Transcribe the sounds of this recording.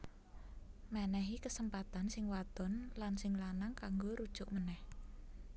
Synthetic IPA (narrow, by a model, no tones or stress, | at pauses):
manɛɦikəsəmpat̪ansɪŋwad̪̥ɔ̤nlansɪŋlanaŋkaŋɡoɾud̥ʒ̥ʊʔmənɛh